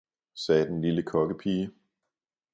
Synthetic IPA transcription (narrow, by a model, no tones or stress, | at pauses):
sɛːd̥enliləkʰɒ̽ɡ̥əpʰiː